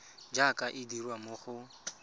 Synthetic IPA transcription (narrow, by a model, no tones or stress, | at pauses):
d͡ʒakʼaʔɪdirwamʊχʊ